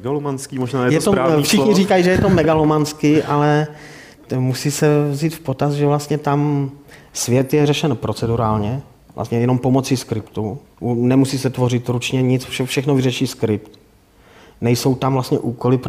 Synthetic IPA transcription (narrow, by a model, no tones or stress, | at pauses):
ɡalomanskimoʒnaːjɛjɛt̪oɾaːɲfʃɪxɲiriːkajiʒɛjɛt̪omɛɡalomanskɪʔalɛ | musiːsɛvziːt̪fpot̪asʒɛvlast̪ɲɛt̪am | svjɛt̪jɛrɛʃɛnpɾʔo̞t͡sɛduɾaːlɲɛ | vla̰st̪ɲɛjɛno̞mpo̞mo̞t͡siskɾɪpt̪u | nɛmusiːsɛt̪vo̞rɪt̪ɾut͡ʃɲɛɲɪt͡sfʃɛfʃɛxnovɪrɛʃiːskɾɪpt̪ | nɛjso̞wt̪amvlast̪ɲɛ̰ʔuːkolɪp